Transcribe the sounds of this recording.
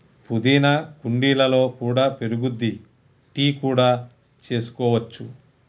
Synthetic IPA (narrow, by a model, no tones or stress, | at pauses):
pud̪iːnɐkuɳɖiːlɐlo̞ːkuːɽaːpeɾuɡud̪ːi | ʈiːkuːɽaː | t͡ʃe̞ːsu̥kɔːʋɐt͡ʃːu